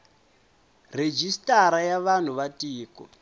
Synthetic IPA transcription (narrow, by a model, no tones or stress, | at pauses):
red͡ʒistaɾajaβan̤uβatiːkɔ̰